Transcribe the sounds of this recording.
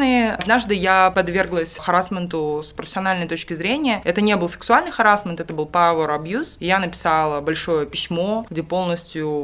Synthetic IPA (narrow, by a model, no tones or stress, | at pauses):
nɨɐd̪naʐd̪ɨjapɐd̪vʲe̞rɡlˠəsʲxɐɾasmʲənt̪ʊspɾəfʲɪsʲɪɐnalʲnəjt̪o̞t͡ɕkʲɪzɾʲenʲɪjəɛt̪ənʲe̞bɨlˠsɨ̥ksʊalʲnɨjxɐɾasmʲənt̪ɛt̪əbɨlˠpavəɾɐbjusɪjanəpʲɪ̥salˠəbɐlʲʂo̞jəpʲɪsʲmo̞ɡdʲepo̞lˠnəsʲtʲjʊ